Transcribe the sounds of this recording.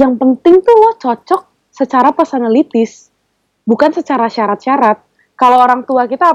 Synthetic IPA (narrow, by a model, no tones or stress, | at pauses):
jaŋpənt̪ɪŋt̪ulɔht͡ʃɔt͡ʃɔk̚ | sət͡ʃaɾapərsanalit̪ɪs | bukansət͡ʃaɾaʃaɾat̪̚ʃaɾat̪̚ | kalaooɾaŋt̪uakit̪aː